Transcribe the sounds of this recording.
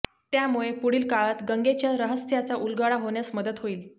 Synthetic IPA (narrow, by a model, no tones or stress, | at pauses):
t̪jamuɭepuɽiːlkaɭat̪ɡəŋɡet͡ɕjaɾəɦəst̪ʰjat͡saʔulɡaɭaɦoɳjasməd̪ət̪ɦoiːl